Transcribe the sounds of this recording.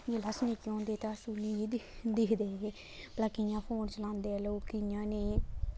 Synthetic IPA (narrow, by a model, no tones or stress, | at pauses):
d͡ʒeːləsnẽːkiõːnd̪eːt̪eəsuːnĩiːd̪d̪ɪkʰd̪eːe | pəlaːkɪjãːpʰoːnt͡ʃəlãːnd̪eːəloːkɪjãːneː